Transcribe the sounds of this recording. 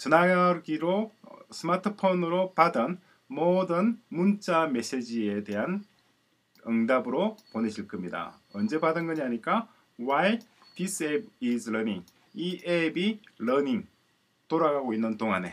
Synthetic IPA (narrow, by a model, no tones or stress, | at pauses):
t͡ɕɯnajaɡiɾosʰɯmatʰɯpʰonɯɾopadɯn | modɯnmunt͡ɕ͈ame̞s͈ed͡ʑie̞de̞ɦan | ɯŋdabɯɾoponeɕʰiɭk͈ɯmɲida̰ | ʌnd͡ʑe̞badɯnɡʌɲiaɲik͈a | wai | pis͈ebisʰɾʌniŋ | iʔebilʌniŋ | toɾaɡaɡoinːɯntoŋɦane̞̰